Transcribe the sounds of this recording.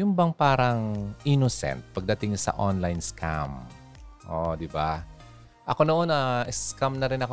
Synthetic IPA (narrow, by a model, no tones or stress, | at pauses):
jʊmbɐŋpaːɾɐŋʔinosɛ̰nt̪̚pɐɡ̚d̪ɐt̪ɪŋɲsɐ̰ʔo̰nlajnskʰa̰m | ʔod̪ɪba | ʔɐko̞noʔonɐʔɛskamnɐɾɪnɐko